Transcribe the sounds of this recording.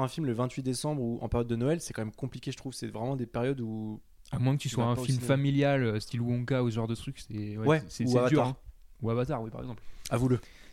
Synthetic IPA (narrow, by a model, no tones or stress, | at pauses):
ʁɛ̃filmləvɛ̃t̪ɥid̪esɑ̃bʁuʔɑ̰̃peɛʁjɔd̪ːənoɛlsɛkɑ̃mɛmkɔ̃plikʲeʒət̪χuvsɛvʁɛmɑ̃d̪epeʁjɔd̪u | amwɛ̃kət̪yswaɛ̃filmfamiljaløst̪ilwɔ̃ɡausəʒɑ̃ʁd̪ət̪χyksɛwɛwɛsɛusɛavat̪d̪yʁaʁɛ̃uavat̪aʁwipaʁɛ̰ɡzɑ̃pavulə